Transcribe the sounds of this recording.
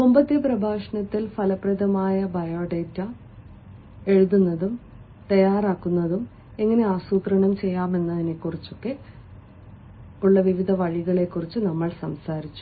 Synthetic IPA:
ombɐt̪jɐprɐbʱaːʂɐɳɐt̪ːilfʰɐlɐprɐðɐmaːjɐbɐjoːɖeːtːɐ | e̞ɻuðunːɐðum | t̪ɐjaːraːkːunːɐðum | e̞ŋːɐne̞aːsuːt̪rɐɳɐmt͡ɕe̞jːaːme̞nːɐðine̞kːurit͡ɕːo̞kːe̞ | uɭːɐʋiʋid̪ʱɐʋɐɻiɣɐɭe̞kːurit͡ɕːɨnɐmːɐɭsɐmsaːɾit͡ɕːu̥

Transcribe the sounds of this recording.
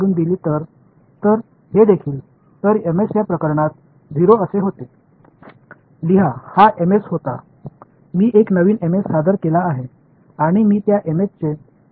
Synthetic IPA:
uːnd̪iliːt̪əɾ | t̪əɾ | hed̪ekʰiːl | t̪əɾemesjapɾəkəɾɳat̪̚ | d͡zʱiɾoəseɦot̪e | liɦahaʔemeshot̪a̰ | miːʔeknəʋiːnemesːad̪əɾkelaːɦe | aɽ̃imiːt̪jaʔemest͡se

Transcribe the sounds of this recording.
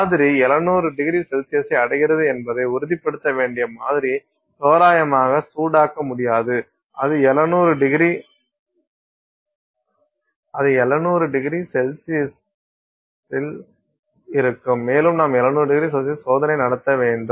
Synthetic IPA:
mːðɪɾiɛlɐnuːɾɯɖɪɣɪɾisɛlsɪjɐsɐɪɐɽɐɣɪɾɐðɯɛnbɐðɐɪʊɾɯðɪpːɐɽɯt̪ːɐʋeːɳɖɪjɐmaːðɪɾi | soːɾaːjɐmaːɣɐsuːɽaːkːɐmʊɽɪjaːðɯ | ʔɐðɯɛlɐnuːɾɯɖɪɣɪɾi | ɐðɯɛlɐnuːɾɯɖɪɣɪɾisɛlsɪjɛs | ɪl | ɪɾɯkːɯmːeːlɯmnaːmɛlɐnuːɾɯɖɪɣɪɾisɛsɪsoːðɐnɐɪnɐɽɐt̪ːɐʋeːɳɖɯm

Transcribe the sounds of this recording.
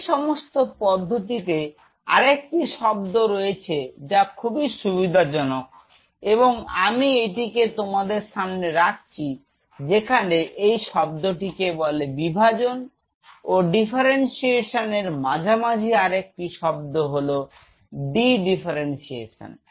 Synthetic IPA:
ʃɔmost̪opɔd̪ʱːot̪̬it̪̬e | a̰ɾek̚ʈiʃɔb̚d̪oɾoet͡ɕʰed͡ʑakʰubiʃubid̪ʱad͡ʑɔnok̚ | eβoŋamiejʈiket̪omad̪eɾʃamneɾak̚ʰt͡ɕʰi | d͡ʑekʰaneʔejʃɔb̚d̪oʈikebɔlebibʱad͡ʑon | oɖifʰaɾensieʃoneɾmad͡ʑʱamad͡ʑʱiaɾek̚ʈiʃɔb̚d̪oɦolo | ɖiɖifʰaɾensiḛʃo̰n

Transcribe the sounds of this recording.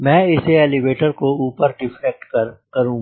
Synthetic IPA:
mɛ̃ːɪseɛliʋeːʈəɾkouːpəɾɖɪfʰɛk̚ʈkkɐɾũː

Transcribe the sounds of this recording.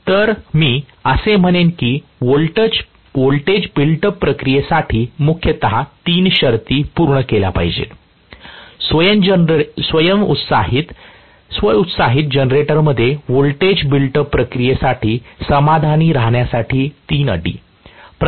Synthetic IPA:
t̪əɾmiː | əsem̤əɽ̃enkiːʋolʈ | ʋolʈed͡ʑbilʈəpɾəkɾijesaʈʰiːmukʰjət̪əɦat̪iːnɕəɾt̪iːpuɾɳəkela̰pa̰ɦid͡ʑḛ | sʋəjəmsʋəjəmut̪saɦit̪ | sʋəut̪saɦit̪̚d͡ʑənɾeʈəɾməd̪ʱːjeʋolʈed͡ʑbilʈəpːɾəkɾijesaʈʰiːsəmad̪ʱaniːɾaɦɳjasaʈʰiːt̪iːnə̰ɖḭː | pɾ

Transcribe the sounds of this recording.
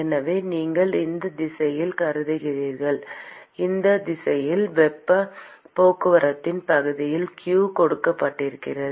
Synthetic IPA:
ɛnɐʋeːniːŋɡɐɭɪnd̪ɐd̪ɪsɐjɪlkɐɾɯðɪɣɪɾiːɾɣɐɭɪnd̪ɐd̪ɪsɐjɪlʋɛpːɐ | poːkɯʋɐɾɐt̪ːɪnpɐɣɯðɪjɪlkjuːkɔɽɯkːɐpːaːʈːɪɾɯkːɪrɐðɯ

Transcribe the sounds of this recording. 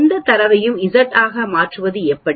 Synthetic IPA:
nd̪ɐt̪ːɐɾɐʋɐjɯmɪðɐʈːaːɣɐmaːʈrɯʋɐðɯɛpːɐɽ

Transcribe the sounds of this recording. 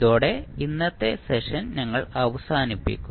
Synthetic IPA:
ðoːɽe̞inːɐt̪ːe̞seʂɐnnɐŋːɐɭɐʋɐsaːnipːḭkʲːu

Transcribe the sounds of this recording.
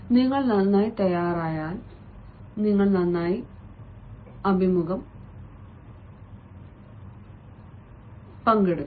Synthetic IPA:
niŋːɐɭnɐnːaːjit̪ɐjaːraːjaːl | niŋːɐɭnɐnːaːji | ɐbʱimuɣɐm | pɐŋɡeɽu

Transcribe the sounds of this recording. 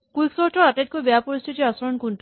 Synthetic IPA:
kwiksoɾʈɔɾat̪et̪̚kubjapɔɾist̪ʰit̪iɔsɔɾɔnkunt

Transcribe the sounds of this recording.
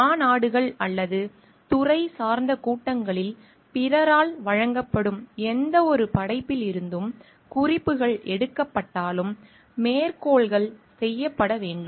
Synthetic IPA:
aːnaːɽɯɣɐɭɐlːɐðɯ | t̪ʊrɐɪsaːɾnd̪ɐkuːʈːɐŋɡɐɭɪl | pɪɾɐɾaːlʋɐɻɐŋɡɐpːɐɽɯmɛnd̪ɐɔɾɯpɐɽɐɪpːɪlɪɾɯnd̪ɯm | kʊrɪpːɯɣɐɭʔɛɽɯkːɐpːɐʈːaːlɯmː | eːɾkoːɭɣɐɭsɛjːɐpːɐɽɐʋeːɳɖɯm

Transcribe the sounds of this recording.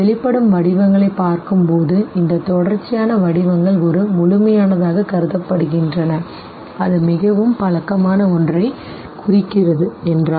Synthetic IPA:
ɛɭɪpːɐɽɯmʋɐɽɪʋɐŋɡɐɭɐɪpːaːɾkɯmpoːðɯɪnd̪ɐt̪ɔɽɐɾt͡ʃːɪjaːnɐʋɐɽɪʋɐŋɡɐɭɔɾɯmʊɭʊmɐjaːnɐðaːɣɐkɐɾɯðɐpːɐɽɯɣɪndrɐnɐ | ɐðɯmɪɣɐʋɯmpɐɭɐkːɐmaːnɐɔndrɐɪ | kʊrɪkːɪrɐðɯɛndraː

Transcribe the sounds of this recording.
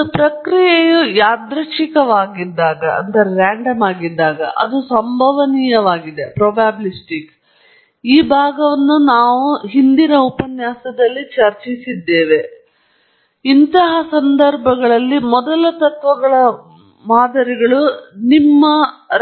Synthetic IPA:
pɾɐkɾijɛjujaːd̪ɾɐʃikɐʋaːɡid̪ːaːɡɐɐ̰nd̪ɐɾeɾaːɳɖɐmaːɡid̪ːaːɡɐ̰ʔɐ̰d̪usɐmbʱɐʋɐniːjɐʋaːɡid̪e̞pɾoːbaːblisʈik | iːbʱaːɡɐʋɐnːunaːʋuɦind̪inɐupɐnjaːsɐd̪ɐlːit͡ʃɐɾt͡ʃisid̪ːeːʋe̞ | int̪ɐɦɐsɐnd̪ɐɾbʱɐɡɐɭɐlːimɔd̪ɐlɐt̪ɐt̪ʋɐɡɐɭɐ | maːd̪ɐɾiɡɐɭunimːɐ

